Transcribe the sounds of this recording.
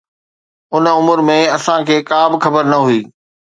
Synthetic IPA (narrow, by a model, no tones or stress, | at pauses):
ʊnʊmʊɾmẽɐsãkʰeːkaːbɪxɐbəɾnɐɦuiː